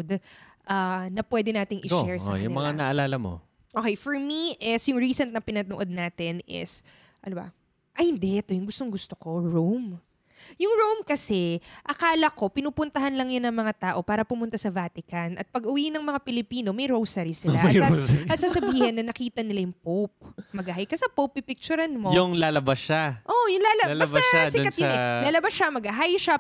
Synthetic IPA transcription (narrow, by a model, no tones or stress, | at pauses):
d̪ | ʔɐnɐpwɛd̪ɛnaːt̪ɪŋʔɪʃɛɹsɐ̰jɐʊnɪmɐŋanɐʔɐlaːlɐmo̰ | ʔokɛjfɔɹmiʔɛsjʊŋɹiːsɛnt̪nɐpɪnɐnoʔo̞d̪̚naːt̪ɪnɪ̰s | ʔɐnobɐ̰ | ʔɐjhɪnd̪ɛʔɛt̪o̞jʊŋɡʊst̪oŋɡʊst̪okoɹowm | jʊŋɹowmkɐsɛʔɐkaːlɐko̞pɪnuːpʊnt̪ɐɦɐnlɐŋjʊnɐŋmɐŋat̪aːʔo̞paːɾɐpʊmʊnt̪asɐvaːt̪ɪkɐnʔɐ̰t̪̚pɐɡʊwinɐŋmɐŋapɪlɪpiːno̞mɐjɾowsɐɾisɪlaʔɐ̰aɐt̪saːsɐbbiːhɪnːɐnɐkiːt̪ɐnɪlajʊŋpowp̚mɐɡɐɦajkɐsɐpowpːɪpɪk̚t͡ʃʊɾanmojʊŋlaːlɐbasːaʔojʊŋlalɐɐsɐsɪkɐt̪ɛlaːlɐbasʃɐmɐɡɐɦajʃa